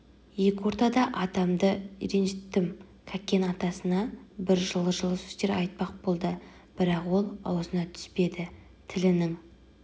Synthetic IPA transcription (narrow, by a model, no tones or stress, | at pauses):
je̞kʲɪwo̞ɾt̪ɑd̪ɑʔɑd̪ɑmd̪əiɾenʒɪt̪ːɪm | kʲʰækʲːe̞nɑt̪ɑsənɑbɪɾʒəlˠəʒəlˠəsy̥st̪e̞ɾɑ̰jt̪̚pɑq̚bo̞lˠd̪ə | b̥ɪɾɑqwo̞lˠɑ̰wzənɑt̪ʰʏ̥spe̞d̪ɪ | t̪ʰɪlɪnɪŋ